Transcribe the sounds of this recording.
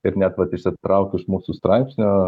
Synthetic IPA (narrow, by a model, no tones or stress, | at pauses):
ɪɾnʲɛt̪ʋɐt̪ɪʃʲsʲɪt̪ɾɑʊkʲɪʃmuːsust̪ɾɑɪpʲsʲnʲo